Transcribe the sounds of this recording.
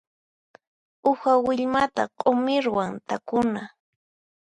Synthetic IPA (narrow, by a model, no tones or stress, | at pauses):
ʊxawɪʎmat̪a̰qʼomɪɾwaŋt̪akʊna